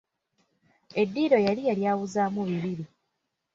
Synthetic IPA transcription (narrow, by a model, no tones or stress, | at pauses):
e̞dːiːɾo̞jalijaljaːwuzaːmuβiβiɾi